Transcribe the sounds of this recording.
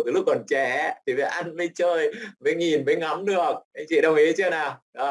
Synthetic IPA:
t̪ɨː˨˦lʊ˦˥kːɔ˨˩nt͡ɕɛ˧˩˦t̪ʰi˨˩va̰ː˨˩˦ʔa˧nvə˧jt͡ɕəː˧jvə˨˦jŋi˨˩nvə˨˦jŋa˨˦mnɨ˨˩ək̚t͡ɕḭ˧˨ɗə˧wŋ͡mʔi˨˦t͡ɕɨː˧˦naː˨˩ɗɔ˨˦

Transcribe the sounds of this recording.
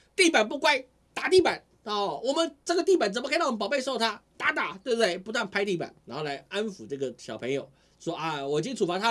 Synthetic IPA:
t̪i˥˩pa˨˩np̬u˥˧kwa˥ɪ | t̪a˨˩t̪̬i˥˩pa˨˩˦n˧ɔ˥˧˥wɔ˨˩mə˦nʈ͡ʂɤ˥˩ɡə˩t̪i˥˩pa˨˩nt͡sə˨˩m˧kʰn˥˩˨pɑ˨˩ʊpe˥˧ɪʂo˥˩ʊt̪ʰa˥t̪a˧˥˦t̪a˨˩t̪we˥˧bə˧t̪e˥˩ɪpu˧˥t̪wa˥˩npʰa˥ɪt̪i˥˩pa̰˨˩˦na˧˥xo˥˩la˧˥ɪa˥nfu˨˩ʈ͡ʂɤ˥˩ɡə˩ɕjɑ˨˩ʊpʰɤ˧˥ŋjo˨˩˦ʊ˩ | ʂwɔ˥ʔa˥˧˩wɔ˨˩i˨˩t͡ɕi˥nt͡sʰu˨˩fa˧˥t̪ʰa˥

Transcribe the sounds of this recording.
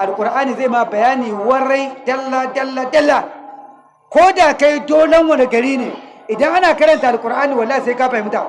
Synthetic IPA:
ʔa˨lkʷʼʊ˨ɾʔaː˦niː˨zeː˦˨ma˦˨bɐ˨jaː˦niː˨wɐ˦ɽa˦jdɐ˦lːa˦dɐ˦lːa˦dɐ˦lːa˨ | kʷoː˦daː˨ka˦jdoː˦lɐ˦ŋwɐ˨ne˨ɡɐ˨ɽiː˦neː˨ | ʔɪ˨dɐ˦ŋʔa˦naː˨kɐ˦ɽɐ˨nta˨ʔa˨kʼʊ˨ɾʔaː˦niː˨wɐ˨lːaː˦hi˨se˦kaː˦pa˨˦mʊ˦taː˨˦

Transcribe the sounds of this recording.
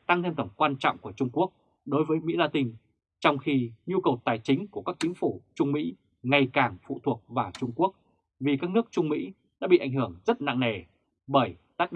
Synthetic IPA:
t̪a˧ŋt̪ʰe˧nt̪ə˧˩ŋ͡mkwaː˧nt͡ɕɔ̰˧˨wŋ͡mku˧˩ət͡ɕʊ˧ŋ͡mku˦˥ək̚ | ɗo˨˦jvəː˨˦jmḭ˧˥laː˧t̪ï˧ŋ̟ | t͡ɕɔ˧wŋ͡mxi˧ɲu˧kə˨˩wt̪aː˨˩jt͡ɕï˨˦ŋ̟ku˧˩əkaː˦˥k̚t͡ɕï˨˦ŋ̟fu˧˩t͡ɕʊ˧ŋ͡mmḭ˧˥ | ŋa˨˩jkaː˨˩ŋfṵ˧˨t̪ʰu˨˩ək̚vaː˨˩t͡ɕʊ˧ŋ͡mku˦˥ək̚ | vi˨˩kaː˦˥k̚nɨ˦˥ək̚t͡ɕʊ˧ŋ͡mmḭ˧˥ | ɗa̰ː˧˥ɓḭ˧˨ʔa˧˩jŋ̟hɨ˧˩əŋzə˦˥t̚na̰˧˨ŋne˨˩ | ɓəː˧˩jt̪aː˦˥˨

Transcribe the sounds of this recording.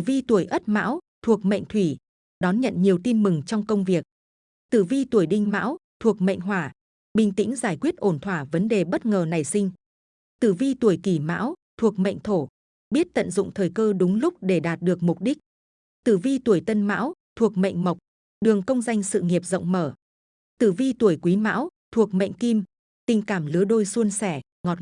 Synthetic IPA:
vi˧t̪u˧˩əjʔə˦˥t̚ma̰ː˧˥wt̪ʰu˨˩ək̚mə̰˧˨ŋ̟t̪ʰwi˧˩ | ɗɔ˨˦nɲə̰˧˨nɲi˨˩əwt̪i˧nmɨ˨˩ŋt͡ɕɔ˧wŋ͡mkə˧wŋ͡mvi˨˩ək̚ | t̪ɨ˧˩vi˧t̪u˧˩əjɗï˧ŋ̟ma̰ː˧˥wt̪ʰu˨˩ək̚mə̰˧˨jŋ̟ɦwaː˧˩ | ɓï˧˩ŋ̟t̪ḭ˧˥ŋ̟zaː˧˩jkwi˦˥ət̚ʔo˧˩nt̪ʰwaː˧˩və˨˦nɗe˨˩ɓə˦˥t̚ŋəː˨˩na˨˩jsï˧ŋ̟ | t̪ɨ˧˩vi˧t̪u˧˩əjki˧˩ma̰ː˧˥wt̪ʰu˨˩ək̚mə̰˧˨ŋ̟t̪ʰo˧˩ | ɓi˦˥ət̚t̪ə̰˧˨nzʊ̰˧˨ŋ͡mt̪ʰəː˨˩jkəː˧ɗʊ˨˦ŋ͡mlʊ˦˥k͡p̚ɗe˧˩ɗaː˨˩t̚ɗɨ˨˩ək̚mʊ˨˩k͡p̚ɗi˦˥k̟̚ | t̪ɨ˧˩vi˧t̪u˧˩əjt̪ə˧nma̰ː˧˥wt̪ʰu˨˩ək̚mə̰˧˨jŋ̟mə˨˩wk͡p̚ | ɗɨ˨˩əŋkə˧wŋ͡mza˧jŋ̟sɨ̰˧˨ŋi˨˩əp̚zə̰˧˨wŋ͡mməː˧˩ | t̪ɨ˧˩vi˧t̪u˧˩əjkwi˨˦ma̰ː˧˥wt̪ʰu˨˩ək̚mḛ˧˨jŋ̟ki˧m | t̪ï˨˩ŋ̟kaː˧˩mlɨ˨˦əɗo˧jsu˧ənsɛ˧˩ | ŋɔ˨˩t̚

